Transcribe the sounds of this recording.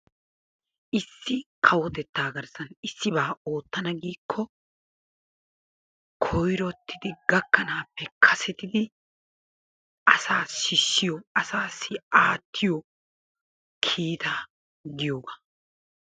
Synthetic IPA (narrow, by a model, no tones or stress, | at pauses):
ʔɪsːɪkʰɐwɔt̪ɛt̪ːaːɡɐɾsɐnɪsːɪbaːʔo̞ːt̪ːɐnɐɡiːkʰːɔ | kʰɔjɾɔt̪ːɪd̪ɪɡɐkːɐnaːpːɛkʰɐsɛt̪ɪd̪ɪ | ʔɐsaːʃɪʃːɪjɔɐsaːsːɪaːt̪ʰːɪjɔ | kʰiːt̪aː | ɡɪjoːɡɐ